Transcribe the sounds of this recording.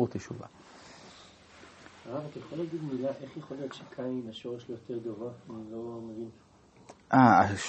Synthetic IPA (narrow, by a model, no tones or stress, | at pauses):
t̪eʃuva̰ | aʁavakejχolaɡid̪milaʔe̞χjaχolijo̞t̪ʃekʰaimaʃo̞ʁeʃlojot̪ʰeʁd̪ovaanlo̞mevin | ʔaaʃ